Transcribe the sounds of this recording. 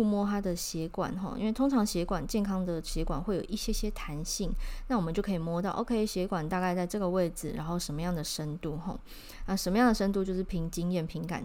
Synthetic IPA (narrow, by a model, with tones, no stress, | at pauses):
u˥˧mwɔ˥˧t̪ʰa˥d̪ə˨ɕjɛ˧˥kwa̰˨˩nxɔ̰˧˦ʔḭ˥nwe˥˩ɪt̪ʰo˥ŋʈ͡ʂʰɑ˧˥ŋɕjɛ˧˥kwa˨˩nt͡ɕjɛ˥˩nkʰɑ˥ŋd̪ə˨ɕjɛ˧˥kwa̰˨˩nxwe˥˩ɪjo˨˩i˥˩ɕjɛ˥ɕjɛ˦˥t̪ʰa˧˦˥nɕi˥˨˩ŋna˥˩wɔ˨mə˨˦t͡ɕo˥˩ʊkʰi˨˩mwɔ˥t̪ɑ˥˩ʊʔo̰˧˥ʊkʰe˥ɪɕjɛ˧˥kwa˨˩nt̪a˥˧ka˥˧ɪt͡sa˥˧ɪʈ͡ʂɤ˥˩ɡə˩we˥˩ɪd͡zɹ̩˨˩ɻa̰˧˥nxo˥˩ʊʂə˧˥nmə˧˦jɑ˥˩ŋd̪ə˩ʂə˦˥nt̪u˥˩xɔ̰˨˩˦ | na˥˩ʂə˧˥mə˦jɑ˥˩ŋd̪ə˩ʂə˥nt̪u˥˧t͡ɕjo˥˧ʊʂɻ̩˥˩pʰi˧˥ŋt͡ɕi˥ŋjɛ˥˩npʰi˧˥ŋka̰˨˩n